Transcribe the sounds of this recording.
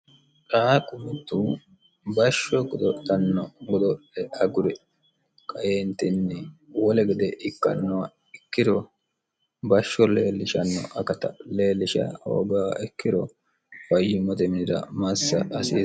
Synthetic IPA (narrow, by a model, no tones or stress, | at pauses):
ᶑaːkʼʊmːɪt̪ːu | bɐʃːɔɡɔd̪ɔtːɐnːɔɡɔd̪ɔʔɛʔɐɡʊɾɛ | kʼɐjeːnt̪ɪnːɛwɔlɛɡɪd̪ɛʔɪkːɐ̰nːɔwɐ | ɪkːɪd̪ɔ | bɐʃːɔleːlːɪʃɐnːɔ̰ʔɐkɐt̪ɐleːlːɪʃɐ̰o̰ːɡaːɛkːɪd̪ɔ | wɐjɪmɔt̪ɛmɪnɪd̪ɐ̰mɐsːɐ̰ːsiː